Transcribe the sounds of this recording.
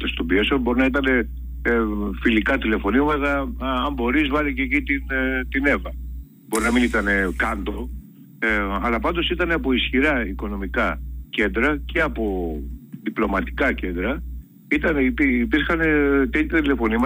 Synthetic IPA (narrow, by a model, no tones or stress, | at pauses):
t̪est̪obiesobo̞ɾinɐit̪ɐne̞ | filikɐt̪ile̞fo̞niomɐt̪ɐɐmbo̞ɾizvɐlicecit̪int̪ine̞vɐ | bo̞ɾinɐminit̪ɐne̞kɐnd̪o̞ | eɐlɐpɐnd̪o̞sit̪ɐneɐpo̞isçiɾɐiko̞no̞mikɐce̞nd̪ɾɐce̞ɐpo̞ðiplo̞mɐt̪i̥kɐce̞nd̪ɾɐ | it̪ɐnepiːpiɾxɐnet̪et̪ʰɐt̪ile̞fo̞nimɐ